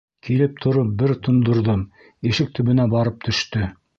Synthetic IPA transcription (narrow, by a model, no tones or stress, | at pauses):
kʰilɘp̚t̪ʰŏɾop̚bɘɾt̪ʰŏnd̪ŏɾðɤm | iʃɘk̚t̪ʰɵ̆βɵ̆næbɑɾɤp̚t̪ʰɵ̆ʃt̪ɵ